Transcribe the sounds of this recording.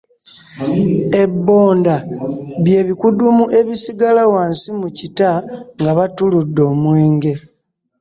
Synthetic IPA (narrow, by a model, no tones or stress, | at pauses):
e̞bːo̞ːndaβje̞ːβikudumuʔe̞βisiɡalawaːnsimucitaŋɡaβatuludːo̞ːmwe̞ːŋɡe̞